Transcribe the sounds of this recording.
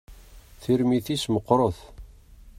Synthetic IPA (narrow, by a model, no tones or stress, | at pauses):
θiɾmiθisməqːɾˤoθ